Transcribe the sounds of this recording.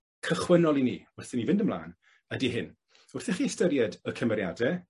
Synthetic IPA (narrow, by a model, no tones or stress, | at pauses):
kʰəχwənɔlˠinḭːʊrθɪnivɪndəmlˠa̰ːn | ədiɦɪn | ʊrθɛχiɛstəɾjɛdəkʰəmɛɾja̰dɛ